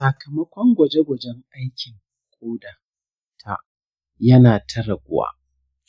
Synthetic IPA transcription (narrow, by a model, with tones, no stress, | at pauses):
sɐ˨kɐ˨mɐ˦kʷɔ˦ŋɡʷɐ˨d͡ʒe˦ɡʷɐ˨d͡ʒɛ˦ŋʔa˦jkʲɪ˨ŋ | kʷʼoː˦daː˨ | tʰa̰˦˨ʔ | jɐ˦naː˨tʰɐ˦ɾɐ˨ɡʷʊ˨wa̰ː˦